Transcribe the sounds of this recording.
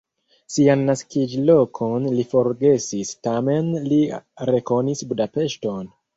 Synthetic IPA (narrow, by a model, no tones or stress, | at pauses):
sianːaskid͡ʒlo̞kʰonlifo̞ɾɡe̞sistame̞nliɾe̞ko̞nisbudape̞ʃto̞n